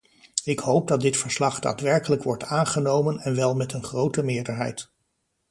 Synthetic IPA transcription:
ɪkhowp̚dɑt̚dɪtfəɹslɑχd̥a̰ːtʋɛɹkələkʋɔɹtaːnχənowmənɛnʋɛlˠmɛtənχrowtəmɪːɹdəɹɦɛ̰jt

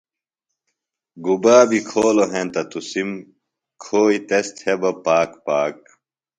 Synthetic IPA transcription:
ɡubaːbikʰoːloɦẽnt̪ɐt̪usim | kʰoːit̪est̪ʰhebɐpaːkpaːk̚

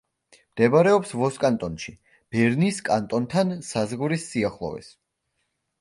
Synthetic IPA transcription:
md̪̥ɛbaɾɛɔpsvɔskʼant̪ʼɔnʃi | b̥ɛɾniskʼant̪ʼɔnt̪ʰansazʁuɾisːiaχlˠɔ̰vɛ̰s

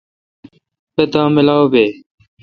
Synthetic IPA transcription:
pet̪ãːmɪlaːwbeː

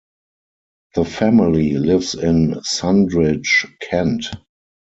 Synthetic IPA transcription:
ðəfæmɪlilɪvsɪ̃nsãndɹɪt͡ʃkʰɛ̃nt

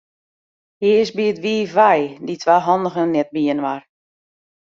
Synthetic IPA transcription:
hɪəsbiətʋiːʋajditʰʋaːɦɔndəɣənɛt̚biənʋar

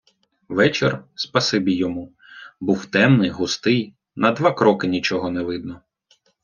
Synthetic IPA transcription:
ʋɛt͡ʃerspɐsɪbʲijːɔmu | buwt̪ɛmnɪjɦʊst̪ɪj | nɐd̪ʋakɾɔkɪnʲit͡ʃɔɦɔnɛʋɪd̪nɔ

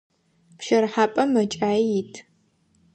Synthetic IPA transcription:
pʃɐrħaːpʼɐmɐt͡ʃʼaːjijitʰ

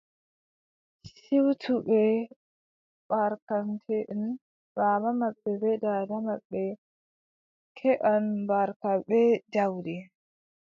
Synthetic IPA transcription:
siwtʰubɛ | b̥aɾkantʰɛʔn | bamamaɓːɛbɛdadamaɓːɛ | kʰɛʔanbaɾkabɛd͡ʒawdɛ

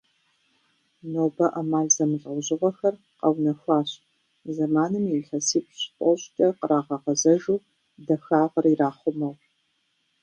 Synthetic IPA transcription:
noːbɐʔɐmaːɮzɐmɨɮʼɐwʑɪʁʷɔxɐr | qɐwnɐxʷaːɕ | zɐmaːnɨmjiɬɐsiːp̚ʰʼɕpʷʼɔɕʼtʼɐqəɾaːʁɐʁɐzɐʒuw | dɐxaːʁɐriraːχʷʊmɐʁ

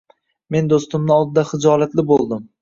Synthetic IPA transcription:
me̞nd̪ost̪ɪmnɪɒlˠd̪ɪd̪aχɪd͡ʒɒlat̪lɪbolˠd̪ɪm

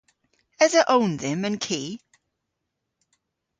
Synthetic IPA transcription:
əzəʔõʊ̃nðə̃mə̃nkʰiː

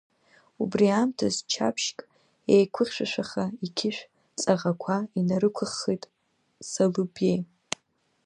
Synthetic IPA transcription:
ubriamtʰazt͡ʃʰa̰pʰʃkʼ | ejkʷʰʊχʲʃʷᶣaʃʷᶣaχaikʲʰɪʃʷᶣ | t͡sʼaʁakʷʰainaɾɨkʷʰʊχːijtʼ | salɨbej

